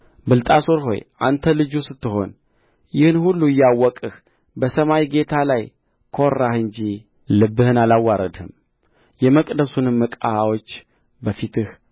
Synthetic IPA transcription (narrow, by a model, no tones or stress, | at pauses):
bɨlt̪ʼasoɾɦo̞̰jʔa̰nt̪ʰəlɨd͡ʒusɨt̪ːɨɦo̞̰n | jɪhɨnhulːuɪjːawːɔkʼɨh | bəsəmawiɡe̞t̪ʰalaj | kʰorːahɨnd͡ʒi | lɨbːɨhɨnalawːaɾəd̪hɨ̰m | jɛməkʼd̪əsunɨmːɨkʼa̰awot͡ʃː | bəfit̪ʰɨh